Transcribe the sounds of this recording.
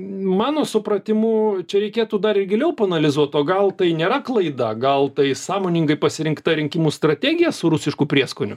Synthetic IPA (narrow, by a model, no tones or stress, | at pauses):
mɑːnoːsʊpɾɐt̪ʲɪmuːt͡ʃʲɛɾʲɛɪkʲeːt̪uːd̪ɐɾɪrɡʲɪlʲɛʊpɐːnɐlʲɪzuɔt̪oːɡɐlˠt̪ɐɪnʲeːɾɐklˠɐɪd̪ɐɡɐlˠt̪ɐɪsɑːmoːnʲɪŋɡɐɪpɐsʲɪɾʲɪŋkt̪ɐɾʲɪŋʲkʲɪmuːst̪ɾɐt̪ʲæːɡʲɪjɛsʊɾʊsʲɪʃkuːpʲɾʲiɛskoːnʲʊ